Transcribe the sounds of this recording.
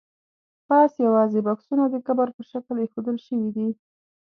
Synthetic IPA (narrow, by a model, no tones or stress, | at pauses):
pɑsjawɑzebɑksunad̪əkabaɾpəʃakəlexod̪əlʃəwid̪i